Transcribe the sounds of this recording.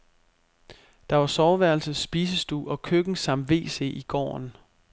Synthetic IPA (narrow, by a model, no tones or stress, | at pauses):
d̥ɑ̈ʋɑ̈sɒʊʋæɐlsəsːb̥iːsəsd̥ṵːɒ̽kʰøɡ̥n̩sɑ̈m̰d̥ʋe̝̰ːse̝̰ʔiɡ̥ɒ̰ːn